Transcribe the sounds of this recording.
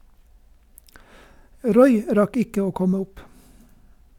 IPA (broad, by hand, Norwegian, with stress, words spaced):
ˈɾɔʏ ˈɾɑk ˈɪkə ˈoː ˈkɔmə ˈʊp